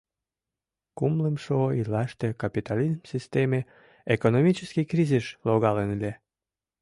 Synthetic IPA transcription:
kumləmʃoilɑʃt̪ekapit̪alizmsʲist̪eme | ekonomʲit͡ɕəskikriziʃloɣɑlenlʲe

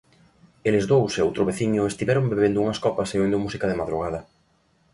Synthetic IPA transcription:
elezðowsowt̪ɾʊβeθiɲʊest̪iβɛɾombeβend̪ʊuŋɐskɔpɐseund̪ʊmusikɐðemaðɾuɣað̞ɐ

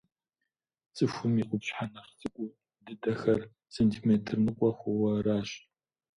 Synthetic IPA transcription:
t͡sʼɨxʷʊmiqʷʼʊpɕħanɐχt͡sʼɨkʷʼʊ | dɨdɐxɐr | seːntʰimeːtʰɨrnɨqʷʼɔxʷʊwɐraːɕ

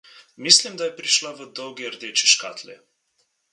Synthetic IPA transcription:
mislimd̪ajɛpɾiʃlavəd̪ɔwɡiəɾd̪eːt͡ʃɛʃka̰ːt̪lɛ

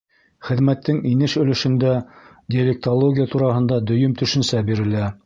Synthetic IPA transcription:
χɘ̆ðmæt̪ːɘŋinɘʃɵ̆lɘ̆ʃɵ̆nd̪æ | dʲɪɐlʲek̚t̪olˠoɡʲɪjat̪uɾɑɦɤ̆nd̪ɑd̪ɵ̆jɵmt̪ɵ̆ʃɵ̆nsæbiɾɘ̆læ

